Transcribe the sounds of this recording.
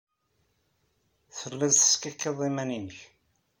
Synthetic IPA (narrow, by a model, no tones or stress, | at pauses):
θəlːæðθə̥skækːeðˤimæninəç